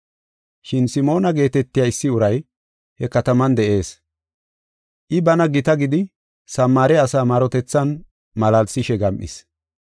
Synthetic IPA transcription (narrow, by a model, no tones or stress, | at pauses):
ʃɪnsɪmo̞ːnɐɡe̞ːt̪ɛt̪ːɪjaːɪsːɪʊɾɐj | hɛkɐt̪ɐmɐnd̪ɛʔe̞ːs | ʔɪbɐnɐɡɪt̪ɐɡɪd̪ɪ | sɐmːaːɾɛɐsaːmaːɾɔt̪ɛt͡sːɐn | mɐlɐlsɪʃɛɡɐmʔɪ̰s